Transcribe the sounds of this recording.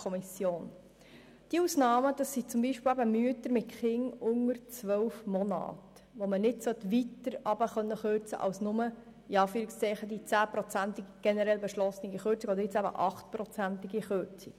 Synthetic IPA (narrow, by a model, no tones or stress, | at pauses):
ɔmisjoːn | d̥iuːsnɑːməd̥̪ɑsːit͡sʊmbiʃpɪlæbəmyətəɾmɪtχɪŋʊŋəɾt͡sʋœwfmɔnɑ̰ːt | ʋomənɪdsœtʋitəɾɑbəχœnːəχøɾt͡sə̰ʔɑ̰wsnʊmə | iɑːfyːɾikst͡sɛɪχəd̪it͡sæːpɾɔt͡sæntɪɡɡ̥ɛnəɾɛlbɛʃlɔsnɪɡiχøɾt͡siɡɔdəɾjɪt͡sæbə̰ʔɑχt̪̚prɔt͡sæntɪɡiχøɾt͡sik